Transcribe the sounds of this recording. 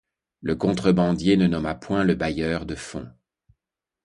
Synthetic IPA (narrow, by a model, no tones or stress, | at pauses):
ləkɔ̃t̪χəbɑ̃d̪jenənɔmapwɛ̃ləbajœːʁd̪əfɔ̰̃